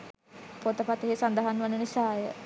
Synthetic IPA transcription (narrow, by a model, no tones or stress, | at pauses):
pot̪əpat̪eɦesand̪aɦanʋanːənisaːjə